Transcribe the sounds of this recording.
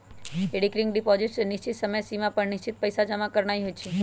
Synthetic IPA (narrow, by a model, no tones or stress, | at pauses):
eɽikɾiŋɡɖipɔd͡ʒɪʈsniʃt͡ʃit̪səməjsimãpəɳnɪʃt͡ʃit̪̚pəjsad͡ʒamãkəɾɳ̃ajɦojt͡ʃʰe